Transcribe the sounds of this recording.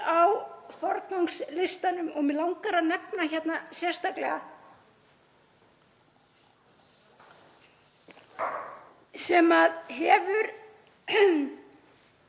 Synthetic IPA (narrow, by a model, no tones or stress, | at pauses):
awfɔɾkawŋkslɪst̪anʏmɔɣmɛlawŋkaɾanɛpnaçɛt̪nasjɛr̥st̪aklɛɣa | sɛmaðɦɛvʏɾ